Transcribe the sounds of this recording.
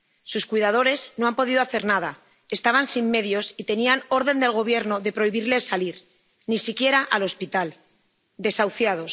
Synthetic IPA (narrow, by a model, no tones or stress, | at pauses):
suskujðað̞o̞ɾe̞zno̞ampo̞ð̞iðoaθe̞ɾnað̞a | e̞st̪aβ̞ansimːe̞ðjo̞sit̪e̞niano̞ɾðe̞nd̪e̞lɣ̞o̞β̞je̞ɾno̞ðe̞pɾo̞iβiɾle̞saliɾ | nisikje̞ɾaʔalo̞spit̪al | d̪e̞sawθjaðo̞s